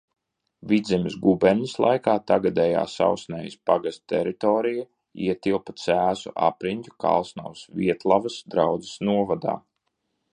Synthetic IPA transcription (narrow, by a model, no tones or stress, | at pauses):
vid̪zʲɛmisɡubɛɾɲislˠa̰jkaːt̪aɡad̪ɛja̰ːsa̰wsnʲɛːjispaɡast̪t̪ɛɾit̪ɔːɾija | iɛt̪ilˠpat̪sæːzṵʔapɾiɲʲc̪ʲu̥ka̰lˠsnawsvʲiɛt̪lˠavasd̪ɾawd̪zi̥snuɔvad̪a̰ː